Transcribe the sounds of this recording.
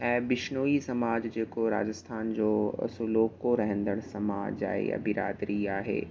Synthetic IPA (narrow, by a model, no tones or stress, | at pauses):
ɛ̃ːbɪʃnoːisɐmaːd͡ʑd͡ʑeːkoɾa̰ːd͡ʑəst̪ʰaːnd͡ʑo̰ːsuloːkoɾɐɦə̃nd̪əɽ̃sɐmaːd͡ʑa̰ːɦḛɐ̰bʱiɾaːd̪ɾiaːɦḛː